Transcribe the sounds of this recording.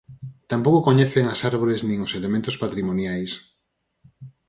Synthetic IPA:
t̪ampowkokoɲeθeŋasaɾβoɾeznĩŋoselemẽnt̪ʊspat̪ɾimonjajs

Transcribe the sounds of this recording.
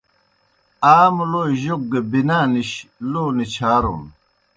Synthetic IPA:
aːmloːʑok̚ɡebinaːniɕloːnit͡ɕʰaːɾṵn

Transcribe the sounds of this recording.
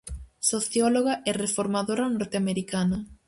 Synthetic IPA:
soθjɔloɣɐʔɛrefoɾmaðoɾɐnoɾt̪eameɾikanɐ

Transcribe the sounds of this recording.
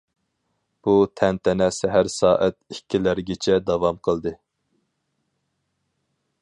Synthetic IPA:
b̥ut̪ʰɛnt̪ʰɛnɛsɛɦæɾsɑːʔɛt̪̚ikʲʰːilæɾɡʲɪt͡ʃʰɛd̪ɑvɑmqʰəlˠd̪ɨ

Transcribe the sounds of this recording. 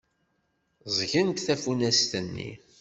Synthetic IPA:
zˤʝənt̪θæfunæst̪ənːḭ

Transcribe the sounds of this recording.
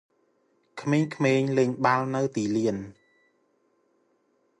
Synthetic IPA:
kʰmeːɲkʰmeːɲleːɲɓalnɨwt̪iːliən

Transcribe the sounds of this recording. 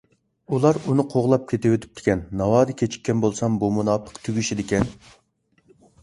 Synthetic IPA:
ulˠɑɾunɨqʰoʁlˠɑp̚kʲʰet̪ɪwet̪ʰy̥p̚t̪ʰɪ̥kʲʰɛnːɑwɑːɾɨkʲʰet͡ʃʰi̥k̚ʲːɛnbolˠsɑmbumunɑːpʰə̥qt̪ʰyɡʲyʃid̪ɪkʲɛn

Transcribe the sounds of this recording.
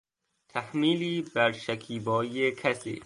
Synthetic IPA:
t̪ʰæhmiːliːbæɾʃækʰiːbɒːiekʰæsḭː

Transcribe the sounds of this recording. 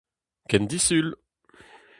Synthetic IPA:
kɛnd̪isyl

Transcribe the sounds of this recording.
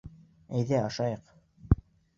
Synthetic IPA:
æjðæɑʃɑjɤq

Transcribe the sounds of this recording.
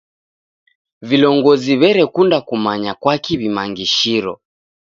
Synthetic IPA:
vilɔŋɡɔziβɛɾɛkundakumaɲakwakiβimaŋɡiʃiɾɔ̰

